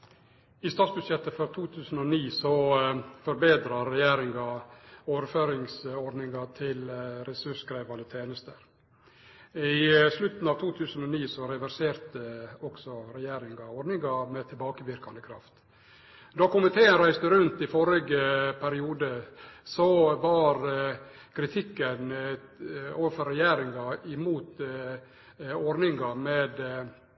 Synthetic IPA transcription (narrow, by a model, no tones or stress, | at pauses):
ɪst̪ɑːt̪sbʉd̪ʂjɛt̪ːəfɔɾt̪ʰuːt̪ʰʉːsən̩ɔniːsɔfɔɾbeːd̪ɾɑɾɛjeːɾɪŋɡɑoːʋəɾføːɾɪŋsɔɖnɪŋɡɑt̪ʰɪlɾɛsʉʂkɾæɪʋɑnət̪ʰeːnəst̪əɾ | ɪslʉt̪n̩ɑːʋt̪ʰuːt̪ʰʉːsənɔniːsɔɾɛʋæɾseːɾt̪əɔksɔɾɛjæːɾɪŋɡɑɔɾɖnɪŋɑmɛt̪ʰɪlbɑːkəʋɪɾkɑnd̪əkʰɾɑft̪ | d̪ɔkʊmɪt̪ʰeːənɾæɪst̪əɾʉnt̪ɪfɔɾɪɡəpʰæɾɪuːd̪əsɔʋɑɾ | kʰɾɪt̪ʰɪkːən | oːʋəfɔɾːɛjæːɾɪŋɑɪmuːt̪ | ɔɾnɪŋɡɑmeːd̪